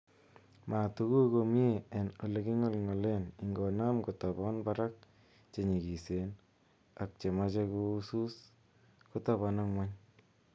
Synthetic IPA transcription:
ma˨tu˦ku˦ko˧mje˦e˨no˨le˨ki˦ŋɔ˦lŋɔ˨le˦ni˨ŋɡɔ˨na˦mko˨tɔ˨bɔ˦nbaɾa˦k̚ | t͡ʃe˨ɲi˨ki˨sen | a˨k̚t͡ʃe˨ma˦t͡ʃe˦ko˦u˦su˦s | ko˦ta˦βa˨na˦ŋwɛ˦ɲ

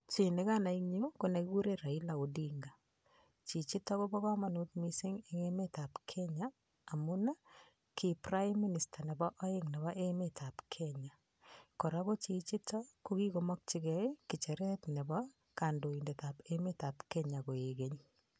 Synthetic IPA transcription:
t͡ʃi˨ne˦ka˦na˨i˦ŋɲi˦kone˨ki˦ku˦ɾe˦ɾa˨i˦la˨u˨diŋɡa˨ | t͡ʃi˨t͡ʃi˦tɔ˦ko˦bɔ˦ka˦ma˦nu˦tmi˦sɪ˦ŋɪŋe˦me˦ta˨pkʰɛɲaː˨ | mʊna˦ | kiprajmːi˦ni˨sta˨nɛ˨bɔ˦ʔɔ˦je˦ŋne˨βa˦ʔemetʰa˨pkʰɛɲa˨ | kɔ˨ɾako˦t͡ʃi˨t͡ʃi˦tʰɔ˦ko˦ki˦ko˨mɔ˦k̚t͡ʃi˦kɛeki˨t͡ʃɛ˨ɾɛ˦tnɛ˨bɔ | ka˨ndo˨i˨nde˨tape˦me˦ta˨pkɛ˦ɲa˨ko˨je˨ke˦ɲ

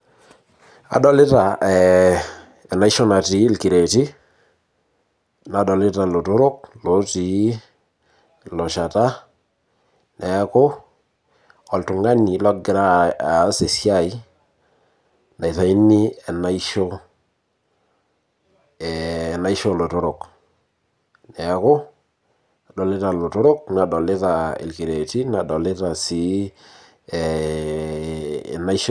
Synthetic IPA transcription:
a̰˨dɔ˨lɪ˦ta˨ɛ˨ | ɛ˨na˦i˦ʃo˦na˨ti˨˦lki˨ɾe˨ti˦ | na˨dɔ˨lɪ˦ta˨lo˨to˦ɾʊ˦k̚lo˨˦ti˨˦ | lɔ˨ʃa˨ta˦ | nɛ˨˦ko˦ | ɔ˨ltʊ˨ŋa˦ni˨lɔ˦ɡɪ˨ɾa˦˨˦se˨sja˦˨i˦ | na˨i˨ta˨i˦ni˦ɛ˨na˦i˦ʃo˦˨ | na˦i˦ʃo˦lo˨tʊ˦ɾo˨k | nɛ˨˦ko˦ | a˨dɔ˨le˦ta˨lo˨to˦ɾo˦k̚na˨dɔ˨le˦ta˨ḛ˨lki˨ɾe˨ti˦na˨dɔ˨le˦ta˨si˨˦˨ | na˦i˦ʃ

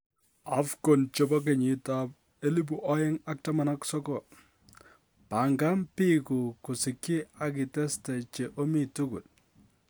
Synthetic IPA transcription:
a˦fko˨nt͡ʃo˦bɔ˦k̬e˨ɲɪ˨tap | e˦li˦b̬u˨ʔɔ˦jɛ˦ŋa˦k̚ta˦ma˦naksɔ˦kɔ˨ | pa˨ŋɡa˦mpi˦ku˨ku˨sɪ˨ki˦a˨k̬i˨tɛ˦stɛ˨t͡ʃe˨ʔo˦mi˦tuku˨t̚

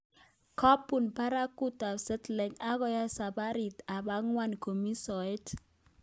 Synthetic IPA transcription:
ka˦pu˨npa˦ɾa˦ku˦ta˨sɛ˦tlɛ˨ɲa˦ɣɔ˦ja˦sa˨ba˦ɾi˨ta˨ba˦ŋwa˦nko˨mi˦sɔ˨e˦t

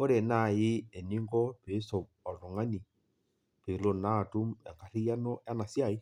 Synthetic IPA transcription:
o˦ɾe˨na˦˨jɪ˦e˨ni˦ŋɡɔ˦pe˨˦sɔ˨ | ɔ˨tɔ˨ŋa˦ni˨ | pe˨lo˨na˦˨tu˦mɛ˨ŋka˨ri˦ja˦nɔ˦ja˦na˨sja˨i˦

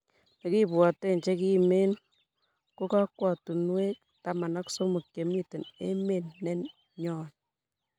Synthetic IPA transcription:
ne˨ki˦bwa˨te˦˨ɲt͡ʃe˦ki˦me˦n | ko˦ka˦kwa˨tu˨nwe˦k̚ | ta˨ma˨na˦kso˦mu˨kːje˨mi˦te˨nḛ˦me˨nːɛ˦n | ɲɔː˦˨n

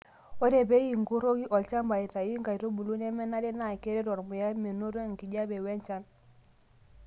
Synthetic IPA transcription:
o˦de˨be˦ji˨ŋɡu˦ɾo˦ɡi˦ʔɔ˨lt͡ʃa˦mba˨i˨ta˨ji˦ŋka˨ɾo˦bu˨lu˦ne˦mɛ˦na˦de˦na˨ke˦ɾe˦ɾɔ˨ɾmu˨ja˦me˨nu˦ɾo˦˨ŋ˨ki˨ɟa˦be˨wɛ˦nt͡ʃa˦n

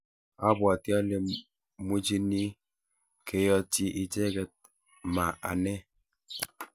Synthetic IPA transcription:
a˦bwa˨ti˦a˦lɛ˨ | mu˦d͡ʒi˦ni˦ | ke˨jɔ˦t͡ʃi˦ʔɪ˨d͡ʒɛ˦ɡɛ˦t̚ | ma˨ʔa̰˨nɛ˦

